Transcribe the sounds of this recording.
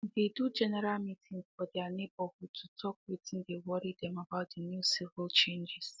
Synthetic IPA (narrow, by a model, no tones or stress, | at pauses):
dedud͡ʒɛnɛɾalmitʰĩŋzfɔdianebɔhutʰutʰɔkwitn̩dewɔɾidɛ̃mabaʊt̚dənjusivəlt͡ʃẽnd͡ʒɪs